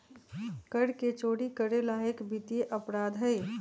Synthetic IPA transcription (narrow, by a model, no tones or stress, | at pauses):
kəɽket͡ʃoːɽikəɾelaːɦekbit̪ieʔəpɾaːd̪ʱɦəj